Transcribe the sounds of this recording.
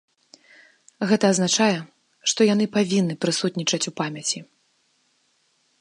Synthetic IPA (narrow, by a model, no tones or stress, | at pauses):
ɣɛt̪ɐːznat͡ʂajɛ | ʂt̪ɔjanɨpavʲinːɨpɾɨsut̪ʲnʲit͡ʂɐt͡sʲupamʲɐt͡sʲi